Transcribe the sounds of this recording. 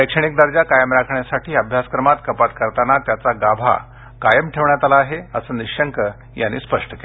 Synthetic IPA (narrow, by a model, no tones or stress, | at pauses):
əkʂəɳ̃ik̚d̪əɾd͡ʑjakajəmɾakʰɳjasaʈʰiːəbʱjaskɾəmat̪kəpat̪kəɾt̪anat̪jat͡saɡabʱa̰ | kajəmʈʰeʋɳjat̪alaːɦeəsəːniɕəŋkə | ja̰nːḭspəʂʈə̥ke